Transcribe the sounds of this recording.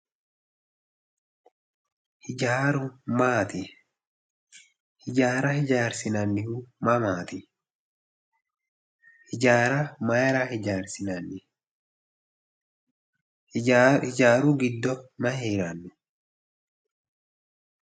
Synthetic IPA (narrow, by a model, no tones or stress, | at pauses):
hɪaːɾʊmaːt̪ɪ | hɪd͡ʒaːɾɐhɪd͡ʒaːɾsɪnɐnːɪhumɐmaːt̪ɪ | hɪd͡ʒaːɾɐmɐjɛɾahɪd͡ʒaːɾsɪnɐnːɪ | hɪd͡ʒaːɾuːɡɪd̪ːɔmɐheːɾɐnːʊ